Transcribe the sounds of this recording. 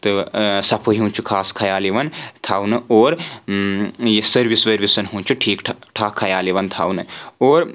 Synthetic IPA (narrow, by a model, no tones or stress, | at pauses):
t̪ɨsɐpʰuɦiũnt͡ʃʰukʰaːskʰɐjaːliʋɐnt̪ʰaːwnɨoːɾ | jesɐɾʋisʋɐɾʋisɐnɦũnt͡ʃʰuʈʰiːkʈʰʈʰaːkʰɐjaːliʋɐnt̪ʰa̰ːwnɨoːɾ